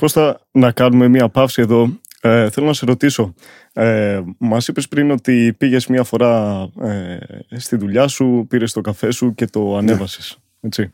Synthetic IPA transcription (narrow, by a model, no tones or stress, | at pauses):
ko̞st̪ɐnɐkɐnume̞miɐpɐfsie̞ðo̞eθelonɐse̞ɾo̞t̪iso̞ | emɐsipe̞spɾino̞t̪ipiʝe̞zmiɐfo̞ɾɐest̪iðuʎɐsupiɾe̞st̪o̞kɐfe̞suce̞t̪o̞ɐne̞vɐsi̥s | e̞t͡si